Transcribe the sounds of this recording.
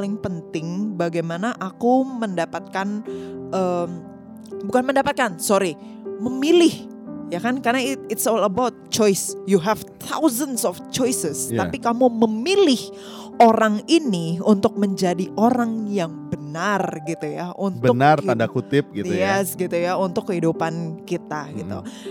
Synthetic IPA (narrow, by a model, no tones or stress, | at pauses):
lɪŋpənt̪ɪŋbaɡajmanaʔakuməndapat̪̚kanʔəːm | bukanməndapat̪̚kansoɾi | məmilɪh | jakankarnaɪɪtsɔləbawt̪̚t͡ʃɔjsjuɦɛvt̪ʰa̰wzənsɔft͡ʃɔjsəstj̪apikamuməmilɪh | ʔoɾaŋiniunt̪ʊk̚məɲd͡ʒadiʔoɾaŋjaŋbənarɡit̪ujaʔuntbəʊnart̪andakut̪ɪp̚ɡit̪jɛsɡit̪ujaunt̪ʊkːəɦidupankit̪aɡḭt̪ṵ